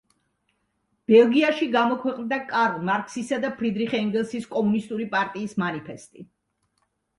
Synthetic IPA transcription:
b̥ɛlˠɡiaʃiɡamɔkʰwɛqʼnd̪akʼaɾlˠmaɾkʰʼsisad̪apʰɾid̪ɾiχɛŋɡɛlˠsiskʼɔmunist̪ʼuɾipʼaɾt̪ʼiːsmanipʰɛst̪ʼi

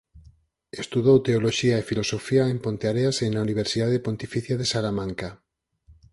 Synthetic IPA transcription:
est̪uðowt̪eoloʃiaefilosofiaempont̪eaɾeasenauniβ̞eɾsiðaðepont̪ifiθjaðesalamãŋka

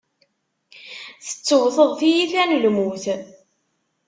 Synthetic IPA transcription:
θə̥t͡sːəwθəðˤθijiθænəlmuθ

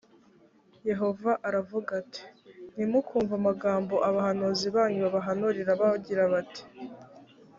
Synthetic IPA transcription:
je̞ɦo̞vaʔaɾavuɡatʰi̥nimukuːɱvamaɡaːmbo̞ʔaβaɦanoziβaːɲuβaβaɦanoɾiɾaβaɟiɾaβati̥

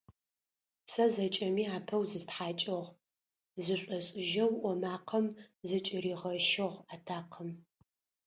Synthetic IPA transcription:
sɐzɐt͡ʃʼɐmiːaːpʰɐwzɨstħaːt͡ʃʼɪʁ | zɨɕʷʼɔɕʼɪʒɐwʔʷɔmaːqʰɐmzɨt͡ʃʼɪɾiːʁɐʃɪʁaːtʰaːqʰəm

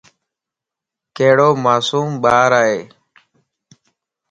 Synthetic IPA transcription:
keːɽoːmaːsuːmɓaːɾaːɦeː

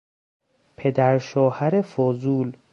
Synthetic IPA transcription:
pʰed̪æɾʃɒːhæɾefozuːl

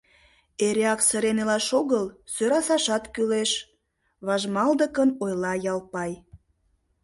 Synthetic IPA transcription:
eɾeɑksəɾenelɑʃoɣəl | søɾɑsɑʃɑt̪kyleʃ | βɑʒmɑld̪əkənojlɑjɑlpɑj

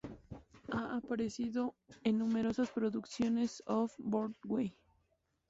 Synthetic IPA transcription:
aʔapaɾesiðoenːũme̞ɾo̞saspɾoðuksjo̞ne̞sofboɾt̪wej

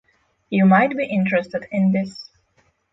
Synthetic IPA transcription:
jumaɪt̚biʔɪ̃ntɹɨstɨdɪ̃nðɪs

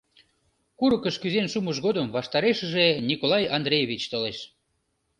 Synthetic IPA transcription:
kuɾəkəʃkyzenʃuməʃ̬ɣod̪əmβɑʃt̪ɑɾeʃəʒenʲikolˠɑjɑnd̪ɾʲejeβʲit͡ɕt̪oleʃ

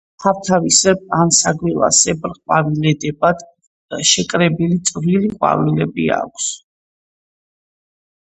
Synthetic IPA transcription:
χavt̪ʰavisɛpʼansaɡwilˠa̰sɛbɾχʼwavilɛd̪ɛbad̪ | ʃɛkʼɾɛbilit̪sʼviliχʼwa̰vilɛbia̰kʷʰs

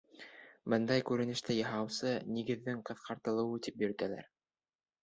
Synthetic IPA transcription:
bɤnd̪ɑjkʉɾɘ̆nɘ̆ʃt̪ɘjɤ̆ɦɑwsɤniɡɘ̆ðːɘŋqɤ̆θqɑɾt̪ɤ̆lˠɤ̆wɤt̪ipjɵ̆ɾ̆t̪ælæ̰ɾ

